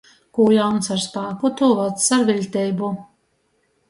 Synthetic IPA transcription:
kujawnsaɾspaːkut̪uvat̪saɾvʲilʲt̪ʲɛjbu

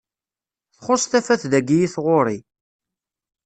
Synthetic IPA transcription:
θχʊsθæfæθðæɡijiθʁoɾi

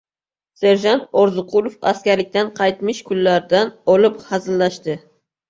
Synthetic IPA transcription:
se̞ɾʒant̪oɾzʊqʰʊlˠofa̰skʲaɾlɪk̚ʲt̪anqʰɑjt̪mɪʃkʰʊlːaɾd̪anɒlɪphazɪlːaʃt̪ɪ

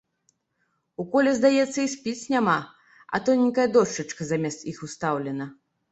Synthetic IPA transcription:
ukɔlʲɛzd̪ajɛt̪sːɐisʲpʲit͡sʲnʲama | ɐ̰t̪ɔnʲːikɐjɐd̪ɔʂt͡ʂɐt͡ʂkɐzamʲɛst̪ixust̪awlʲɛnɐ

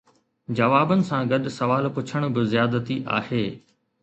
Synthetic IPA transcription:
d͡ʑɐʋaːbənɪ̆sãɡɐɗʊ̆sɐʋaːlpʊt͡ɕʰəɽ̃ʊ̆bɪzjaːd̪ət̪iʔa̰ːheː

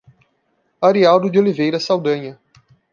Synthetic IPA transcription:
aɾiawd̪ʊd͡ʒiolivejɾɐsawd̪ɐ̃ɲɐ

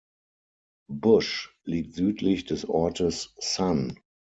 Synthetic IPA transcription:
bʊʃ | liːk̚tz̥yːtʰlɪçdɛsɔɐtʰəsːan

